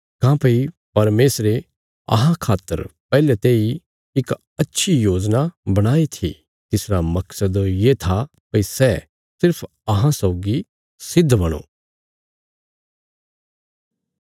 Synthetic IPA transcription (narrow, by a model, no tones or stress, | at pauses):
kãːpɐi | pɐɾmeːsɾe | ɐ̰ɦãkʰaːt̪ːə̰ɾpɛːlɛt̪eːi | ɪk | ɐtːʃʰijoːd͡ʒnabɐɽ̃aːit̪ʰḭ | t̪ɪsɾamɐksəd̪jet̪ʰa | pɐisɛ | sɪɾpʰ | ɐɦãsɐʊɡi | sɪd̪ʱːbɐɽ̃o̰ː